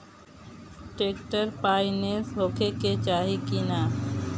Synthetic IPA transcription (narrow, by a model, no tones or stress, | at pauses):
ʈeːkʈəɾpaːineːsɦoːkʰeket͡ʃaːɦikinaː